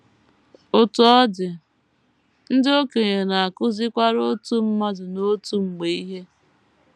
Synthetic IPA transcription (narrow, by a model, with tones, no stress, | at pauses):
ʊ˨tʊ˨ɔ˦dɪ˨ | n̩˦dɪ˦o˦ke˨ɲe˨na˨a˨kʊ˦zɪ˦kʷa˦ɾo˦tu˦m̩˦ma˦dʊ˨no˦tu˦ŋ͡m̩˨ɡ͡be˨i˦ɦe˦